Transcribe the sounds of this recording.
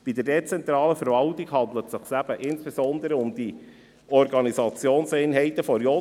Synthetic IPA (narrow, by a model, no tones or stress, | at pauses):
b̥id̥əɾdɛt͡sɛnt̪ɾɑːləfəɾvɑltiɡhɑnd̪lətsɪχsæb̥əʔɪnsb̥ezɔnd̪əɾəʊmd̥̪i | ɔrɡɑnizɑt͡sjoːnsæɪnɦɛɪt̪əfɔɾjo